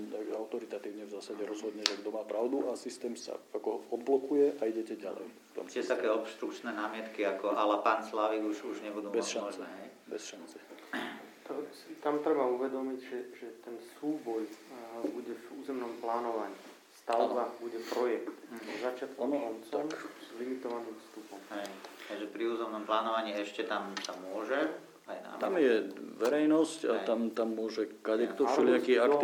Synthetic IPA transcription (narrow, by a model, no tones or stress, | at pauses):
t̪aɡaʊt̪ɔɾit̪at̪iːʊɲɛvzaːsaɟɛɾɔzɦɔd̪ɲɛʒɛɡd̪ɔmaːpɾaʊd̪uʔasist̪ɛːmsa̰akɔɔd̪̚blɔkujɛʔʔaiɟɛcɛɟa̰lɛ̰jft̪ɔ̰msɛt̪akɛːɔpst̪ɾukt͡ʃnɛːnaːmɪɛt̪kiakɔʔalɛpaːnslaʋiɡuʒuʒɲɛbud̪uːbɛsʃanɔʒt͡snɛːɦɛj | bɛ̰sʃant͡sɛ | t̪ɔsit̪amt̪ɾɛbauʋɛd̪ɔmiɟʒɛʒɛt̪ɛnsuːbɔjbuɟɛvuːzɛmnɔmplaːnɔʋaɲiː | st̪aʊbabuɟɛpɾɔjɛkt̪zat͡ʃɪat̪kɔnɔnt͡sɔmzlimit̪ɔʋaniːmfst̪upɔmɦɛj̪aʒɛpɾiuːzɛmnɔmplaːnɔʋaɲiːɛʃcɛt̪amsamʊɔʒɛ | ajna̰amjɛʋɛɾɛjnɔscaamt̪amːʊɔʒɛkadɛkt̪ɔɔlɪakiːak̪